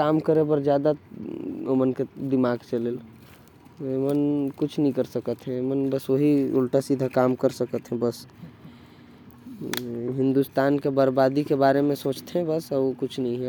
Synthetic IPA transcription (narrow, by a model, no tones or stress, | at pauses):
kaːmkəɾebəɾd͡ʒjaːd̪a | omənked̪ɪmaːɡt͡ʃəleːl | emənkut͡ʃʰnəĩkəɾsəkət̪ɦɛ̃emənbəsoɦiṵlʈasid̪ʱəkaːmkəɾsəkət̪ɦɛ̃bəs | ɦɪ̃nd̪ust̪aːnkebəɾbad̪ikebaːɾemẽsoːt͡ʃt̪eɦɛ̃bəsokʊt͡ʃʰnəɦĩɦɛ